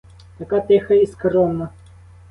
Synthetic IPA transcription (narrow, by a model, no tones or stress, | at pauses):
t̪ɐkat̪ɛxɐiskɾɔmnɐ